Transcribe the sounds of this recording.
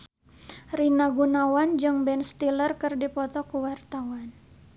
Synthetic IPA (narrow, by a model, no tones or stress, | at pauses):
rinaɡunawand͡ʒɨŋbɛnst̪ilərkɨrdipɔt̪ɔkuwart̪awan